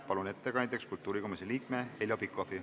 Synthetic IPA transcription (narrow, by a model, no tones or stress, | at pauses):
pɑlune̞t̪ːe̞kɑnnd̪ekskult̪ːˑuːɾikomiseliːkmeeljopikːˑofi